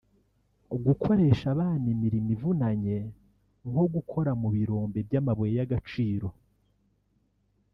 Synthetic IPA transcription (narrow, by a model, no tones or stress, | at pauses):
ɡukʰo̞ɾe̞ːʃaβaːnimiɾimivunaɲe̞ | ŋo̞ɡukʰo̞ɾamuβiɾo̞ːmbe̞bjamaβojejaɡat͡ʃiːɾo̞